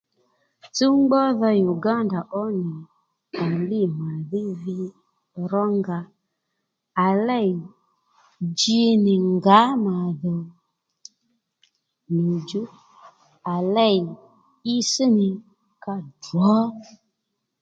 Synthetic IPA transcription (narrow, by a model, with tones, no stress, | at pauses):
t͡su˦ŋ͡mɡ͡bɔ˦ðɔ˧ju˨ɡa˦nda˨ʔɔ˦nɪ˨ | a˨lɪ˦ma˨ðɪ˦vi˧ | ɾɔ˦ŋɡa˨ | a˨lɛ˦˨i˨ | d͡ʒi˧nɪ˨ŋɡa˨˦ma˨ðɔ˨ | ni˨d͡ʒu˦ | a˨lɛ˦˨i˨ | i˦si˦nɪ˨ | ka˧dɔ˨˦